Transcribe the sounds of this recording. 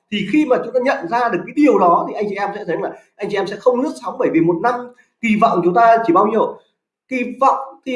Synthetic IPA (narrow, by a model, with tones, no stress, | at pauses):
t̪ʰi˨˩xi˧maː˨˩t͡ɕʊ˨˦ŋ͡mt̪aː˧ɲə̰˧˨nzaː˧ɗɨ˨˩əkːa˨˦jɗi˨˩əwɗɔ˨˦t̪ʰi˨˩ʔa˧jŋt͡ɕi˨ʔɛ˧msɛ̰˧˥t̪ʰjlaː˨˩ʔa˧jŋ̟t͡ɕi˨ɛ˧msɛ̰˧˥xə˧wŋ͡mnɨ˦˥ək̚sa˨˦wŋ͡mɓəː˧˩jvi˨˩mo˨˩t̚na˧m | ki˧˩va̰˧˨wŋ͡mt͡ɕʊ˨˦ŋ͡mt̪aː˧t͡ɕi˧˩ɓaː˧wɲəː˨˩ | ki˧va̰˧˨wŋ͡mki˧